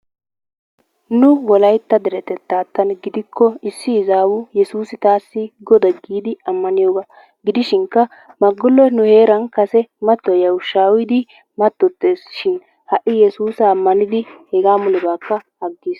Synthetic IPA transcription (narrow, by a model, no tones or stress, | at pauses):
nʊwɔlɐjt̪ːɐd̪ɛɾɛt̪ɛt̪ːaːt̪ːɐnɡɪd̪ɪkʰːɔɪsːɪːzaːwʊjɛsuːsɪt̪aːsːɪɡɔd̪ɐɡiːd̪ɪɐmːɐnɪjoːɡa | ɡɪd̪ɪʃɪŋkːɐ | mɐɡʊlːɔnʊhe̞ːɾɐnkɐsɛmɐt̪ːɔjɐwʊʃaːwɪd̪ɪ | mɐt̪ːɔt̪ːeːsʃɪn | hɐʔɪjɛsuːsɐːmːɐnɪd̪ɪhɛɡaːmʊlɪbaːkːɐhɐɡːiːs